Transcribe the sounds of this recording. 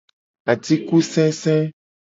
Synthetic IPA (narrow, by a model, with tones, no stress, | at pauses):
a˨ti˦ku˦sɛ̃˦sɛ̃˦